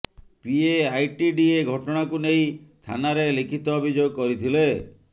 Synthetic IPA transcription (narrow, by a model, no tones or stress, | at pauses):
pieajʈiɖieɡʱɔʈɔɽ̃akunej̃ĩt̪ʰa̰naɾelikʰit̪ɔːbʱid͡ʒoɡɔkɔɾit̪ʰile